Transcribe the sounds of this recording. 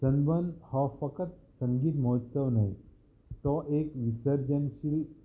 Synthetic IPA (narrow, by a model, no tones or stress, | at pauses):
sənbənhɔfəkət̪̚sə̃ŋɡiːt̪mɔɦət̪səʋnaj | t̪ɔʔekʋisəɾd͡ʑənɕil